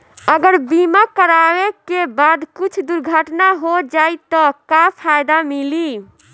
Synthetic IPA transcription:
əɡəɾbimakəɾawekebad̪kut͡ʃʰd̪uɾɡʱəʈnaɦod͡ʒajt̪ɔkapʰajd̪amili

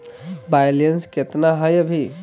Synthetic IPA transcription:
bajlensket̪naɦəjəbʱi

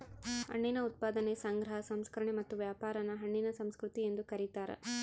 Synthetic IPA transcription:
hɐ̰ɳːinɐut̪̚paːd̪ɐnesɐŋɡɾɐɦɐsɐmskɐɾɐɳemɐt̪ːuʋjaːpaːɾɐnɐɦɐɳːinɐsɐmskɾut̪ie̞nd̪ukɐɾit̪aːɾɐ̰

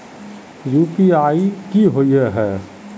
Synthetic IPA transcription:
juːpiaːikiɦoieɦɛː

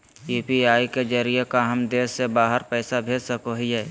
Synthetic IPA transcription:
juːpiaːiked͡ʒəɾijekaɦəmd̪eːsːebaːɦəɾpɛːsabʱeːd͡ʒsəkoɦieː

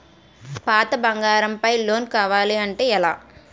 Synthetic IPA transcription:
paːt̪ɐbɐŋɡaːɾɐmpɐjloːnkaːʋaːliɐɳʈeːɛla̰ː

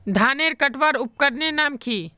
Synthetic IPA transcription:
d̪ʱaːneːɾkəʈʋaːɾʊp̚kəɾnenaːmkʰiː

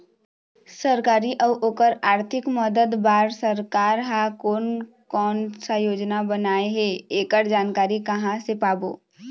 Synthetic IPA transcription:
səɾkaːɾiʔəʋʔoːkəɾaːɾt̪ʰɪkməd̪əd̪baːɾsəɾkaːɾɦakoːn | kɔːnsajoːd͡ʒnabənaːeɦeeːkəɾd͡ʒaːnkaːɾikəɦãsepaːbo̰ː

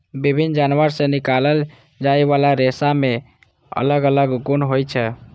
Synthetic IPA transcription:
bibʱind͡ʒanʋəɾsẽnikaləl | d͡ʒaeʋalaɾesame | ə̰ləɡələɡɡunɦojt͡ʃʰɛ

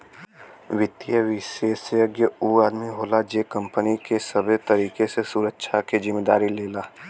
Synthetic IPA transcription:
ʋɪt̪ːijəʋɪʃeːsjəɡjəuːaːd̪miɦoːlad͡ʒeːkə̃mpənikesəbʱet̪ɐɾiːkesesuɾəkːʃʰakezɪmːeːd̪a̰ːɾileːlaː

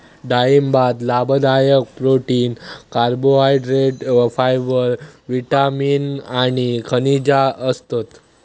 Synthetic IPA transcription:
ɖaimbad̪labəd̪ajək̚pɾoʈiːnkaɾboaiɖɾeɖfajʋəɾʋiʈamiːnañikʰənid͡ʑaəst̪at̪

